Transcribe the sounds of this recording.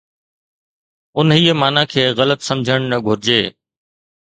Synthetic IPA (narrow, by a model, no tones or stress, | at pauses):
ʊnɦiːəmaːnãkʰeːɣɐlət̪sɐmd͡ʑʱəɽ̃nɐɡʱʊɾɪd͡ʑeː